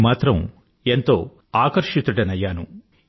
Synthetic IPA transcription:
maːt̪ɾɐm | ent̪o̞ː | aːkɐɾʂit̪uʈɐnɐjaːnu

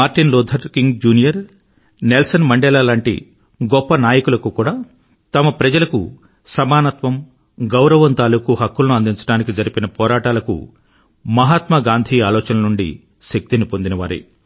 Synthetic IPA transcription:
maːɾʈinlɔːd̪ʱɐɾkiŋɡd͡ʒuːnijɐɾ | nelsɐnmɐɳɖɛlaːlaːɳʈḭ | ɡɔpːɐnaːjɐkulɐkukuːɽaː | t̪ɐmɐpɾɐd͡ʒɐlɐkṵ | sɐmaːnɐt̪ʋɐm | ɡɐwɾɐʋɐnt̪aːluːkuɦɐkːulɐnuɐnd̪iɲt͡ʃɐ̥ʈaːnikid͡ʒɐɾipinɐpɔːɾaːʈaːlɐkṵ | mɐɦaːt̪mɐɡaːnd̪ʱiːaːlɔːt͡ʃɐnɐnuɳɖḭ | ʃɐk̚t̪inipond̪inɐʋa̰ːɾḭ

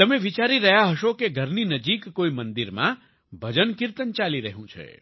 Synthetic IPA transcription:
t̪əmeʋit͡ʃaɾiɾəɦjaɦəʃokeɡʱəɾninəd͡ʒikːoimənd̪iɾmã̰ | bʱəd͡ʒənkiɾt̪ənt͡ʃaliɾəɦjũt͡ʃʰḛ

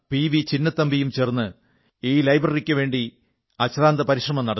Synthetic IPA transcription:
piʋit͡ɕinːɐt̪ːɐmbijumt͡ɕernːɨ | iːlɐjbrɐrikʲːɨʋeːɳɖi | ɐɕraːnd̪ɐpɐɾiʂrɐmɐmnɐɽɐ

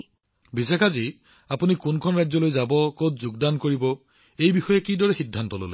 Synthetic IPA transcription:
bisekʰazi | apunikunkʰɔnɹazɔlojzabɔkotzuɡdankoɹibɔ | ejbixɔjɛkidɔɹɛxidʱːantɔlo̰lḛ

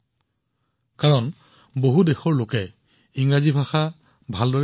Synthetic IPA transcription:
kaɹɔn | boɦudexɔɹlokɛ | iŋɹazibʱaxa | bʱaldɔɹ

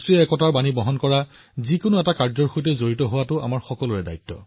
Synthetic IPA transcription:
tɹiɛɛkɔtaɹbanibɔɦɔnkɔɹa | zikʊnʊɛtakaɹzɔɹxut̬ɛzoɹitɔɦʊwatʊa̰maɹxɔkɔlʊɹɛda̰jtːɔ̰

